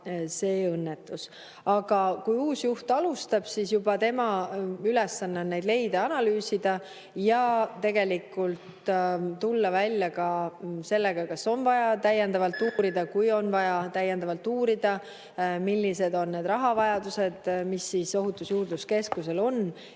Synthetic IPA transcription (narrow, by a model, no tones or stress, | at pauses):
se̞ːɤnːet̪ːˑus | ɑɡ̥ɑkujuːsjuht̪ɑlust̪ɑb̥sisjubɑt̪e̞mɑylesːɑnːeonnejd̪le̞jd̪̥ɑɑnɑlyːsid̪̥ɑ | jɑt̪e̞ɡ̥e̞likːˑult̪t̪ulːɑvælʲjɑkɑse̞lːeɡ̥ɑkɑsːo̞nvɑjɑt̪æje̞nd̪ɑvɑlt̪ˑːuːɾid̪̥ɑkujo̞nvɑjɑt̪æjːend̪ɑvɑlt̪ːuːɾid̪̥ɑ | milʲːise̞d̪o̞nːne̞d̪rɑɦɑvɑjɑd̪use̞d̪̥misːiso̞ɦut̪ːˑusjuːrd̪uske̞skuse̞lo̞n